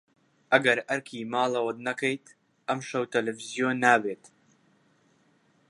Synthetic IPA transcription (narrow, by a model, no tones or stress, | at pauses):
ʔɐɡɐɾɐɾkʰiːmaːlˠɐwɐd̪̚nɐkɐjt̪ | ʔɐmʃɐwt̪ɐlevizjoːnːaːbeːt̪